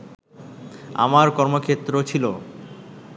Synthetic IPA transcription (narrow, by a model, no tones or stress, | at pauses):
a̰maɾkɔɾmokʰet̪ːɾot͡ɕʰilo